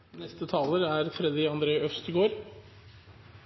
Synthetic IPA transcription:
nɛst̪ət̪ʰɑːləɾæɾt̪ʰɾɛd̪ɪɑnd̪ɾeːœfst̪ɪɡoːɾ

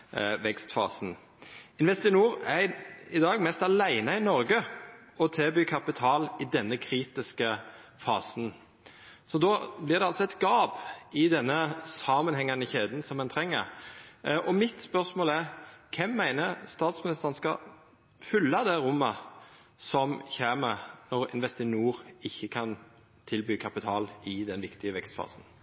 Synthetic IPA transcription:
ʋɛkst̪fɑ̰ːsn̩ | ɪnʋɛst̪ɪnuːɾæɪd̪ɑːɡmɛst̪ɑlæɪnəɪnɔɾɡə | ɔt̪ʰeːbyːkʰɑpɪt̪ʰɑːlɪd̪ɛnːəkʰɾiːt̪ɪskə | fɑ̰ːsn | sɔd̪oːblɪʁd̪ɛɑlsɔɛt̪ɡɑːpɪd̪ɛnːəsɑmənhɛŋːɑnəçeːd̪n̩sɔmɛnt̪ʰʁɛŋːə̰ɾ | ɔmɪt̪spœʁsmoːlæʁkʰɛmːæɪnəɾst̪ɑːt̪smɪnɪst̪əʁənskɑ̰ | fʏlːɑd̪ɛɾʊmːə | sɔmçeːməʁnɔʁɪ̰nʋɛst̪ɪnuːɾɪçːəkʰɑn | t̪ʰɪlbyːkʰɑpɪt̪ʰɑːlɪd̪ɛnʋɪkt̪ɪəʋɛkst̪fɑ̰ːsn

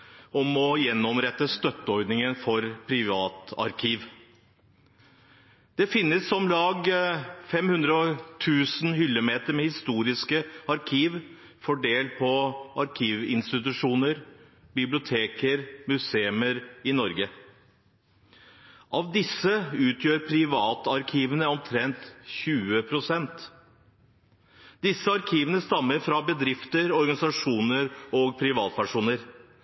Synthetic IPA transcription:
ɔmɔjɛnːɔmɾɛt̪ːəst̪œt̪ːəɔɾd̪nɪŋənfɔɾpʰɾɪʋɑːt̪ɑ̰ɾkʰiːʋ | d̪̥ɛfɪnːəsːɔmlɑːɡfɛmhʉnd̪ɾəɔt̪ʰʉːsnhʏlːəmeːt̪əɾmɛhɪst̪uːɾɪskəɑɾkʰiːʋ | fɔɖeːlpʰɔɑɾkʰiːʋɪ̰nst̪ɪt̪̬ʉʂuːnəɾ | bɪblɪʊt̪ʰeːkəɾmʉseːməɾɪnɔɾɡə | ʔɑːʋd̪ɪsːəʉːt̪ʰjøːɾpʰɾɪʋɑːt̪ɑɾkʰiːʋənəɔmt̪ʰɾɛnt̪çʉːəpʰɾʊsɛnt̪ | d̪ɪsːəɑɾkʰiːʋənəst̪ɑmːəɾfɾɑbəd̪ɾɪft̪əɾɔɾɡɑnɪsɑʂuːnəɾoːɡpʰɾɪʋɑːt̪̚pʰæʂuːnəɾ

